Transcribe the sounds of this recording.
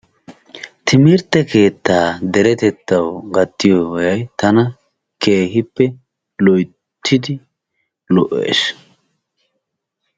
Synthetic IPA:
t̪ɪmɪɾt̪ːɛke̞ːt̪ːaːd̪ɛɾɛt̪ɛt̪ːɐwɡɐt̪ːɪjoːɔjɐjt̪ɐnɐ | ke̞ːɦɪpːɛ | lɔj | t̪ʰːɪd̪ɪ | lɔʔːḛːs

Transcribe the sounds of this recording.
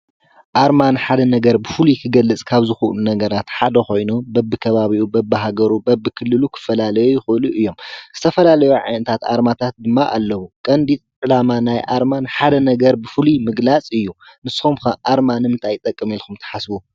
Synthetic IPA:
ʔaɾmanħad̪ɐnɐɡɐɾbɨfɨlukʰɨɡɐlːɨt͡sʼkʰaβzɨxuʔlunɐɡɐɾat̪ħad̪ɐxo̞jnubɐbːɨkʰɐβaβiʔubɐbːɨɦaɡɐɾubɐbːɨkʰɨlːɨlukʰɨ̥fɐlalɐjujɪxɨɨluʔɨjːo̞mz̥ɨt̪ʰɐfɐlalɐjuʕa̰jnɐt̪ʰat̪aɾmat̪ʰat̪̚d̪ɨmːaʔalːɐβukʼɐnd̪it̪ʼʕɨlamanajʔaɾmanħad̪ɐnɐɡɐɾbɨfɨlumɨɡlat͡sʼɨjːu | nɨsxumkɐʔaɾmanɨmɨnt̪ʰajt̪ʼɐkʼːɨmelxʰumt̪ʰɐ̥ħasbu

